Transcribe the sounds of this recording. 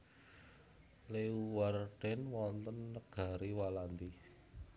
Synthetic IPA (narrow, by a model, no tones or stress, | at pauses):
leuwarɖ̥ɛnwɔnt̪ənːəɡ̥a̤ɾiwaland̪i